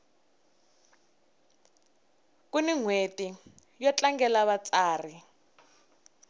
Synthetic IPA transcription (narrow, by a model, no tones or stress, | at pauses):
kuniŋweti | jɔt͡ɬaŋɡɛlaβat͡sʼaːri